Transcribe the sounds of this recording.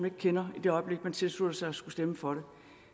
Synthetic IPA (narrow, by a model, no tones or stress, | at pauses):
ne̝ɡ̥əkʰenɐid̥e̝ɒ̽ɪb̥le̝ɡ̥mænt͡sʰe̝lsluð̥ˠɐsɑ̈ɪɒsɡ̥usd̥eməfɒ̽ɾ̥e̝